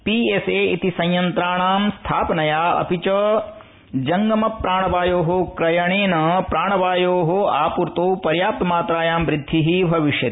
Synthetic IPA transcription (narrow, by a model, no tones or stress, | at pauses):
piːeseːit̪isɐ̃jjɐnt̪ɾaːɳaːmst̪ʰaːpɐnɐjaːɐ̰pit͡ʃɐ | d͡ʒɐŋɡɐmɐpɾaːɳɐʋaːjoːɦokɾɐjɐɳeːnɐpɾaːɳɐʋaːjoːɦoaːpuɾt̪oːpɐɾjaːp̚t̪ɐmaːt̪ɾaːjaːmʋɾɪd̪ʱːiɦibʱɐʋiʃjɐt̪i